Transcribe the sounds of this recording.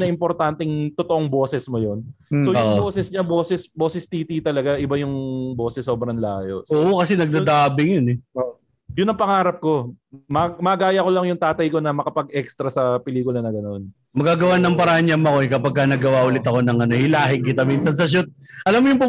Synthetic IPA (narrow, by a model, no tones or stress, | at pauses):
nɐʔɪmpoɾt̪ant̪ɛŋt̪ʊt̪oʔoŋbo̞ːsɛsmojo̞n | sooʊʔboːsɛsɲaboːsɛsbo̞ːsɛst̪iːt̪it̪ɐlɐɡaʔɪbajʊŋbo̞ːsɛsːo̞ːbɾɐŋla̰ːjo̰oːʔokɐsɛnɐɡ̚d̪ad̪aːbɪŋjonɛʔo | jʊnːɐŋpɐŋaːɾɐp̚ko̞mɐmɐɡaːjɐko̞lɐŋjʊŋt̪aːt̪ɐjko̞nɐmɐkɐpɐɡ̚ʔɛkst̪ɾɐsɐpɪliːkʊlɐnɐɡɐno̞n | mɐɡaɡɐwanɐŋpɐɾaːaɲamɐko̞ɛkɐpɐɡ̚kɐnɐɡɐwaʔʊlɪt̪ɐko̞nɐŋɐno̞ʔɪlaːɦɪŋkɪt̪amiːnsɐns̬ɐʃ̬ut̪̚ʔɐlamːojʊŋpʊ